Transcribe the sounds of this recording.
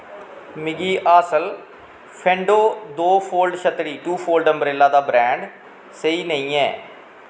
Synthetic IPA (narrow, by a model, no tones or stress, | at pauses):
mɪɡiːʔaːsəl | pʰɛ̃ːɳɖoːd̪oːpʰoːlɖʃət̪ɽiːʈuːpʰoːlɖəmbɾeːlaːd̪aːbɾɛ̃ːɳɖ | səiːnəĩːɛː